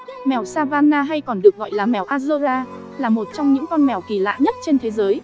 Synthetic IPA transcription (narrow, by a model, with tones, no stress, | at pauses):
mɛ˨˩wsaː˧vaː˧nːaː˧ɦa˧jkɔ˨˩nɗɨ˨˩ək̚ɣɔ̰˧˨jlaː˨˩mɛ˨˧˩wʔaː˧zə˧zaː˧ | laː˨˩mo˨˩t̚t͡ɕɔ˧wŋ͡mɲɨ̰˧˥ŋkɔ˧nmɛ˧˩wki˧˩la̰ː˧˨ɲə˦˥t̚t͡ɕe˧nt̪ʰe˨˦zəː˨˦j